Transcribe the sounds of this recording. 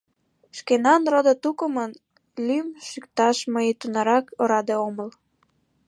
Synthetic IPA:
ʃkenɑnrod̪ət̪ukəmən | lymʃykt̪ɑʃməjit̪unɑɾɑkoɾɑd̪eoməl

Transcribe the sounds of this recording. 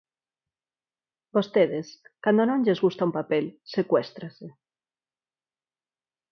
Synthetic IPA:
bost̪eðeskand̪onõnʎezɣust̪aumpapelsekwɛst̪ɾase

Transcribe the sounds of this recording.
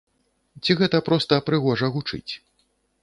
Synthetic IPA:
t͡sʲiɣɛt̪ɐpɾɔst̪ɐpɾɨɣɔʐɐɣut͡ʂɨ̰t͡sʲ

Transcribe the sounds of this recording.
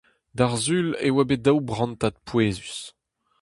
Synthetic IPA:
d̪aʁzylewabed̪awbʁɑ̃nt̪at̪̚pweːzys

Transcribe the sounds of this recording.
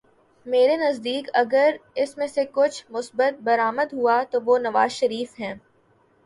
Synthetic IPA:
meːɾenɐzd̪iːkɐɡəɾɪsmẽsekʊt͡ʃʰmʊsbət̪̚bɐɾaːməd̪ɦuat̪oʋonɐʋaːzʃɐɾiːfɦɛ̃ː

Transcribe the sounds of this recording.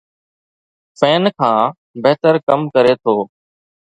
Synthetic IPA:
fɛːnkʰãː | beɦt̪əɾkəmkəɾeːt̪ʰoː

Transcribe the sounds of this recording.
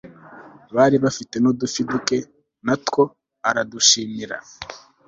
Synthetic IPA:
βaːɾiβafite̞nodufiduke̞ | natko̞ | aɾaduʃiːmiɾa̰

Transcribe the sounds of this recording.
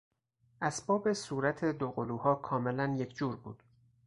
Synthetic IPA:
ʔæsbɒːbe̞suːɾæt̪ʰe̞d̪oɣoluːhɒːkʰɒːme̞lænjecʰd͡ʒuːɾbṵːd̪̥

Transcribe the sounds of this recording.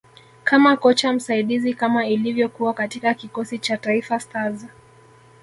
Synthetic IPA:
kʰamakɔt͡ʃam̩saiɗizikamailivjɔkuwakatikakikɔsit͡ʃataifastaza

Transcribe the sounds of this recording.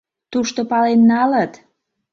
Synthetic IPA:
t̪uʃt̪opɑlenːɑlət̪

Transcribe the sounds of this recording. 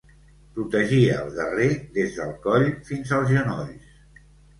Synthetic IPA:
pɾut̪əʒiəːlˠd̪ə̰reðezðəlˠkɔʎfinzəlˠzʒənɔʎs

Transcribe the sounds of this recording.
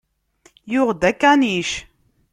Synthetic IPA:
jʊʁd̪ækːæniʃ

